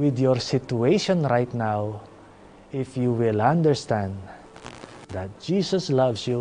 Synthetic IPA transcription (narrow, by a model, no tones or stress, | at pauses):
wɪd̪jɔɹsɪtueʃɔ̃nɹajt̪naw | ɪfjuwɪlãnd̪əɹst̪æ̃nd̪ | d̪at̪̚d͡ʒ̥iːsɔslʌvsju